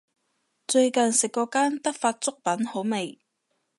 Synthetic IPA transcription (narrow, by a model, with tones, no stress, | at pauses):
t͡sɵ˧ɥkɐ˨nsɪ˨kːɔː˧kaː˥nt̪ɐ˥k̚faː˧t̚t͡sʊ˥k̚pɐ˨˥nho˨˥wme˨˩j